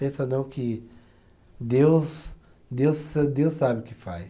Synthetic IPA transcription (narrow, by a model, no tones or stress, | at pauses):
pẽsɐnɐ̃w̃kɪ | d̪ews | d̪ewsd̪ewsabɪʊkɪfa̰js